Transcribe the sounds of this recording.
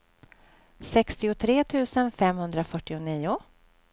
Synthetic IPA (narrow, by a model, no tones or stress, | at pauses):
sɛkst̪ɪʊt̪ʰɾeːt̪ʰʉ̟ːsənfɛmhɵnd̪ɾafœʈːɪʊniːʊ